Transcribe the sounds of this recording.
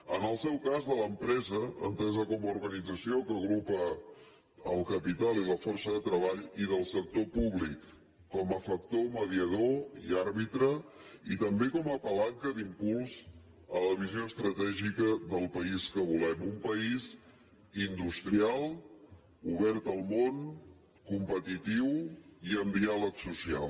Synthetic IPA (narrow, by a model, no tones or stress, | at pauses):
ənəlˠsɛwkazðələmpɾɛzəə̰mpɾɛzəkɔmuɾɣənid͡zəsiokəɣɾupə | əlˠkəpit̪alˠiləfɔrsəðət̪ɾəβ̞aʎiðəlˠsək̚t̪opuβlikː | ɔməfək̚t̪oməðiəðoḭaɾβit̪ɾə | it̪əmbekɔməpəlaŋkəd̪impulˠz | ələβ̞izioəst̪ɾət̪ɛʒikəðəlˠpəiskəβ̞ulɛmumpəiz | ind̪ust̪ɾialˠ | uβɛɾt̪əlˠmon | kumpət̪it̪iwiəmd̪ialəksusia̰lˠ